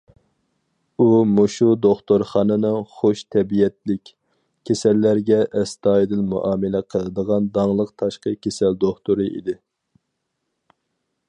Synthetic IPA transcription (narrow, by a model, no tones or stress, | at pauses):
umoʃud̪oχt̪oɾχɑːnɨnɨŋχoʃt̪ʰɛbijɛt̪̚lɪkʲ | kʲʰːesɛlːæɾɡʲɛʔɛst̪ɑːjid̪ɪnmṵʔɑːmɨlɛqʰəlˠɨd̪əʁɑnd̪ɑŋlˠəqt̪ʰɑʃqəkʲʰesɛld̪oχt̪uɾɨʔḭd̪ɪ